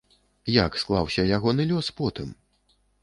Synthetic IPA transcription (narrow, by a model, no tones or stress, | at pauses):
jaksklˠawsʲɐjaɣɔnɨlʲɔspɔt̪ɨm